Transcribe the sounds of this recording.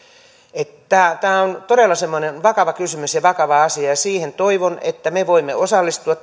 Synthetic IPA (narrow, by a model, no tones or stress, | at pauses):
et̪t̪æːt̪æːont̪odelːɑsemːonenʋɑkɑʋɑkysymysjɑʋɑkɑʋɑɑsiɑjɑsiːhent̪oiʋonḛt̪ːæmeʋoimːeosɑlːist̪uɑt̪